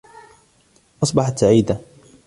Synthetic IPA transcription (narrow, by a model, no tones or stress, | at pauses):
ʔɑsˤbɑħɑt̪saʕiːd̪a